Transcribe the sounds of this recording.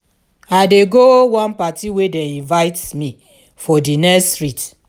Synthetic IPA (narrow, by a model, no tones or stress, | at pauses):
adeɡowãnpatiwedɛ̃ĩnvaɪtmĩ | fɔdinɛstɹit